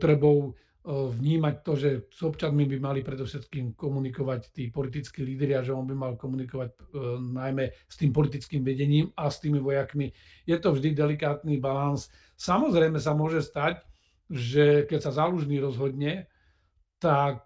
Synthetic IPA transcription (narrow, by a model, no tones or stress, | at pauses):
t̪ɾɛbɔʊ | ʋɲiːmac̚t̪ɔʒɛz̥ɔpt͡ʃanmibimalipɾɛd̪ɔʊʃɛt̪kiːmkɔmunikɔʋact̪iːpɔlit̪̬it͡skiːliːd̪ɾiaʒɛɔnbimalkɔmunikɔʋac̚najmɛst̪iːmpɔlit̪̬it͡skiːmʋɛɟɛɲiːmast̪iːmiʋɔjakmi | jɛt̪ɔvʒd̪id̪ɛlikaːt̪nibalans | samɔzɾɛjmɛs̬amʊɔʒɛst̪ac | ʒɛkɛcsazaːluʒniːɾɔzɦɔd̪ɲɛ | t̪ak̚